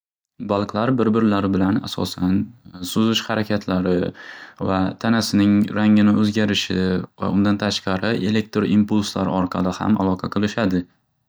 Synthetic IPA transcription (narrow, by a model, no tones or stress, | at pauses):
balˠqʰlˠaɾbɪɾbɪɾɪlaɾɪbɪlana̰sɒ̰sansʊzɪʃhaɾakʲʰat̪ʰlaɾɪvat̪ʰanasɪnɪŋɾaŋɪnɪʔɵzɡʲaɾɪʃɪ̰va̰ʊnd̪ant̪ʰaʃqɑɾɪʔe̞lek̚t̪ɾoimpulsla̰ɾɒɾqʰɑlˠɪha̰ma̰lˠɒqʰɑqʰɨlˠɪʃad̪ɪ